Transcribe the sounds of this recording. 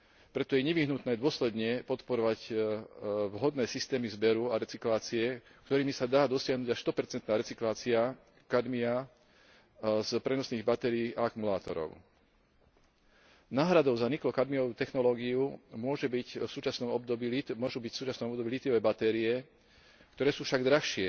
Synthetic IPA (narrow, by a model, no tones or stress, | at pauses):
pɾɛt̪ɔjɛɲɛʋiɦnut̪nɛːd̪ʊɔslɛd̪ɲɛpɔt̪pɔɾɔʋac | ʋɦɔd̪nɛːsist̪ɛːmizbɛɾuaɾɛt͡siklaːt͡siɛ | kt̪ɔɾiːmisad̪aːd̪ɔsɪaɦnuːɟaʃst̪ɔpɛɾt͡sɛnt̪naːɾɛt͡siklaːt͡sia | kad̪mia | zpɾɛnɔsniːɣbat̪ɛɾiːʔaakumulaːt̪ɔ̰ɾɔ̰ʊ | naːɦɾad̪ɔʊzaniklɔkad̪miɔʋuːt̪ɛxnɔlɔːɡiumʊɔʒɛbicfsuːt͡ʃasnɔmɔb̚d̪ɔbiːimʊɔʒubicfsuːt͡ʃasnɔmɔbd̪ɔbiːlit̪iɔʋɛːbat̪ɛːɾiɛ | kt̪ɔɾɛːsuːfʃaɡd̪ɾaxʃɪɛ